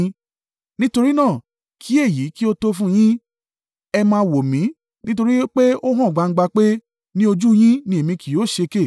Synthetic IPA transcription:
nĩ˦to˧ɾi˦nãː˦˨ | kʰi˦e˦˨ji˨˦ki˦o˧to˧fũ˦j̃ĩ˦ | ɛ˧mãː˧wo˨mĩ˨˦ | nĩ˦t̬o˧ɾi˦k͡pe˦o˦ɦã˦˨ɡ͡ba˧ŋ̩˦ɡ͡ba˧k͡pe˦ | nĩ˦o˧d͡ʒu˦j̃ĩ˦nĩ˧e˨mĩ˧ki˨jo˨˦˨ʃe˧ke˦˨

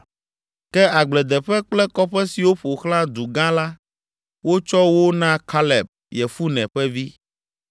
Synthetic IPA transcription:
kɛ˦a˨ɡ͡blɛ˨d̪ɛ˨ɸɛ˦k͡plɛ˦kɔ˦ɸɛ˦si˨wo˦ɸo˨xlã˦d̪u˨ɡã˦la˦ | wo˦t͡ʃɔ˦wo˦nã˦kʰa˦lɛ˨b̚ | jɛ˨fu˦nɛ̃˨ɸɛ˦vi˦

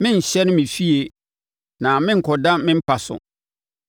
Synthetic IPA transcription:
mɪ̃˦n̩˨ɕɛ˦nʊ̃˦mĩ˨fi˦e˨ | nã˨mɪ̃˦ŋ̩˨kʰɔ˨da˦mɪ̃˦m̩˦pʰa˨sʊ̰˨

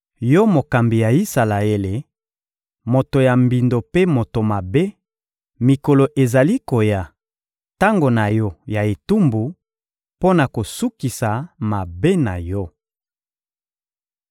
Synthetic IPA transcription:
jɔ˦mo˨ka˨mbi˨ja˨i˦sa˨la˨e˦le˨ | mo˨to˨ja˨mbi˨ndo˨pe˦mo˨to˨ma˨be˦ | mi˨ko˨lo˨ʔe˨za˨li˦ko˨ja˨ | ta˦ŋɡo˨na˨jɔ˦ja˨e˨tu˦mbu˨ | po˦na˨ko˨su˦ki˨sa˨ma˨be˦na̰˨jɔ˦

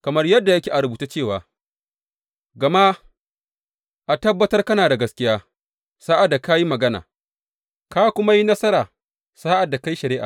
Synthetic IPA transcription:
kɐ˨mɐ˦rjɐ˦dːa˨ja˦kʲeː˨ʔa˨ɾʊ˨buː˨ta˦t͡ʃeː˦˨waː˨ | ɡɐ˨ma˦ | ʔa˨tɐ˦bːɐ˦tɐ˦rkɐ˦naː˨da˨ɡɐ˦skʲɪ˦jaː˦ | saː˦ʔa˨dːa˨ka˦ji˦mɐ˨ɡɐ˦na̰ː˨ | ka˦kʷʊ˦ma˦ji˦nɐ˦sɐ˦ɾaː˨ | saː˦ʔa˨dːa˨ka˦ji˦ʃɐ˨ɾɪ˦ʔa̰˨

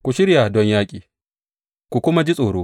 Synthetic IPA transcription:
kʷu˨ʃɪ˦ɾja˨dɔ˦ɲjaː˦kʲʼiː˨ | kʷu˨kʷʊ˦ma˦d͡ʒi˦sʼoː˨ɽoː˦

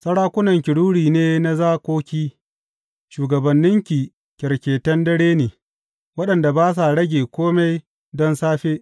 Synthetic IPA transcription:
sɐ˦ɽaː˦kʷʊ˦nɐ˨ŋkʲɪ˨ɽuː˦ɽiː˨neː˦na˦zaː˦kʷoː˦kʲiː˦ | ʃuː˨ɡɐ˨bɐ˨nːɪ˦ŋkʲi˨ | kʲɛ˨ɾkʲeː˨tɐ˦ndɐ˦ɽeː˦neː˨ | wɐ˦ɗɐ˨nda˨baː˦s̬a˨ɽɐ˦ɡʲeː˨kʷoː˦ma˦j | dɔ˦nsaː˦ɸeː˦ʔ

